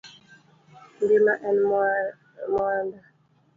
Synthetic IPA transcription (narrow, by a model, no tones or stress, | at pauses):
ndimaʔɛn | mwanda